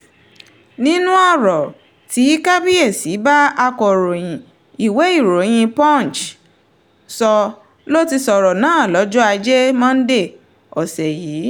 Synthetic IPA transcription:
nĩ˦nũ˦ɔ˦˨ɾɔ˨ | ti˨˦ka˦bi˦e˦˨si˨˦ba˦a˧kɔ˨ɾo˨j̃ĩ˨ | i˨we˨˦i˦˨ɾo˨˦j̃ĩ˧pɔ̃˦˨n˨t͡ʃ | sɔ˧ | lo˦ti˧sɔ˨ɾɔ˨nãː˨˦˨lɔ˨˦d͡ʒɔ˦a˧d͡ʒe˦mã˦n̩˦de˦˨ | ɔ˨sɛ˨jiː˨˦

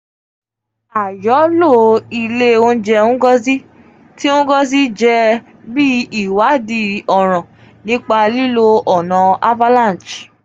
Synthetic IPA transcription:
a˨jɔ˨˦lo˦˨i˧le˦o˧˦d͡ʒɛ˧ũ˦ɡɔ˦zi˦ | ti˦õ˦ɡɔ˦z̬i˦d͡ʒɛ˧ | bi˦i˦˨wa˨˦di˧˦ɔ˨ɾ̃ã˨ | nĩ˨˦k͡pa˧li˦lo˧ʔɔ˨nã˨a˦va˦lã˦˨n˨t͡ʃ

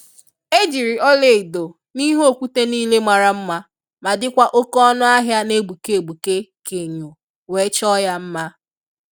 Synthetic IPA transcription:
e˦d͡ʒi˨ɾi˨ɔ˦le˨i˨do˨ | ni˦ɦo˦˨kʷu˦te˦niː˦le˦mʷa˨ɾa˦m̩˦ma˦ | ma˨dɪ˦kʷa˦ʔo˦kɔ˦nʊ˦a˦ɦja˦ne˦ɡ͡bu˨ke˨ɡ͡bu˨ke˦ke˨ɲo˨ | we˨˦t͡ʃɔ˦ja˦m̩˦ma˦

